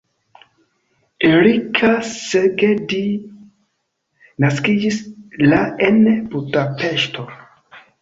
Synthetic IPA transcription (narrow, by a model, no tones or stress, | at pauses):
eɾikʰaseɡedi | naskid͡ʒislaenebudapeʃto